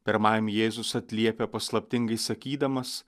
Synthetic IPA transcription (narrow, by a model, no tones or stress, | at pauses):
pʲɛɾmɐɪmjeːzʊsɐt̪ʲlʲiɛpʲɛpɐslˠɐpʲt̪ʲɪŋɡɐɪsɐkʲiːd̪ɐmɐs